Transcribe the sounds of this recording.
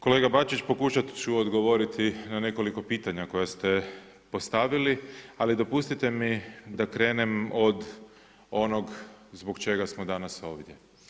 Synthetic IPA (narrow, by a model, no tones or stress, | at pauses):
ko̞le̞ːɡabat͡ʃit͡ɕpo̞kuʃat̪t͡ɕuod̪ɡo̞ʋo̞ɾit̪ʰinane̞ko̞liko̞piːt̪aɲako̞jast̪e̞ | po̞st̪aʋilialid̪o̞pust̪it̪e̞mid̪akɾe̞ːne̞mo̞d̪ | o̞noɡzbokt͡ʃe̞ɡasmod̪anaso̞ːʋd̪je̞